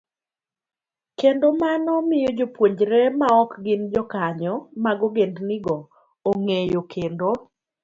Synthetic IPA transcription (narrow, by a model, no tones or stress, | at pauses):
kendomanɔmɪjod͡ʒopwoɲd͡ʒɾɛmaɔkɡɪnd͡ʒɔkaɲɔmaɡɔɡendnɪɡɔː | ŋejokʰendo